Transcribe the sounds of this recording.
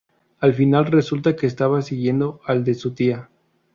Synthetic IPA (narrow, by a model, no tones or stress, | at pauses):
alfinalre̞sult̪ake̞ːs̬t̪aβasiɣje̞nd̪o̞ald̪e̞sut̪ia